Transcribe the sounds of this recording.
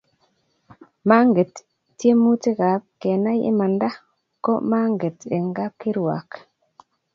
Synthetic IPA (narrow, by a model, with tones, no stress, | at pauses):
ma˦ŋɡe˨t | tːje˦mu˦ti˦ka˨kkːe˨na˦jɪ̰˦ma˨nda˦ | ko̰˦ma˦ŋɡe˨te˨ŋɡa˦kːi˦ɾwa̰˨k